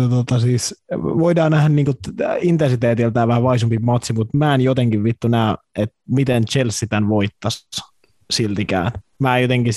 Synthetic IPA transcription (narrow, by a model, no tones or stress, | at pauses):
t̪ot̪ɑsiːsʋoidɑːnæhniːŋkoint̪ensit̪eːt̪ilt̪æːʋæhæʋɑisumpimɑt̪simut̪mæːenjot̪eŋkiʋʋit̪ːunæˑøʔet̪mit̪ent͡ʃelsːit̪ænʋoit̪ːɑs | silt̪ikæ̰ˑːnmæːjot̪eŋki